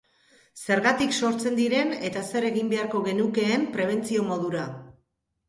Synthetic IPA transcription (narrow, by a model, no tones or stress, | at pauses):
se̞ɾɣat̪ikso̞ɾt͡se̞nd̪iɾe̞ne̞t̪ase̞ɾe̞ɣimbe̞aɾko̞ɣe̞nuke̞ːmpɾe̞β̞e̞nt͡sio̞mo̞ðuɾa